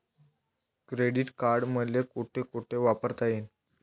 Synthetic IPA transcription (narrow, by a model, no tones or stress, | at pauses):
kɾeɽiːʈkaɾɖməlekuʈʰekoʈʰeʋapəɾt̪ajen